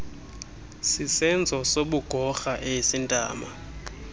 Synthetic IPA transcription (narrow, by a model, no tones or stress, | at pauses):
sisɛnd͡zʱɔsoɓuɡ̥ʱɔxaʔeisintʼa̰ːma̰